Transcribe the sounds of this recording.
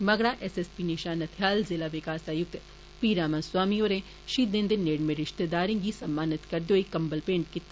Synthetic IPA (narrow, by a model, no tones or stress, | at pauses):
mɐɡɽaːʔɛsɛspiːneʃaːnɐt̪ʰɪjaːlzɪlaːʋɪkaːsaːjʊk̚t̪ | piːɾaːmãnswaːmioːɾẽː | ʃiːd̪ẽːnd̪eneːɽmẽɾɪʃt̪ed̪aːɾẽːɡiːsɐmːaːnɪt̪kɐɾd̪eoikɐmbəlpẽːɳʈkɪt̪ː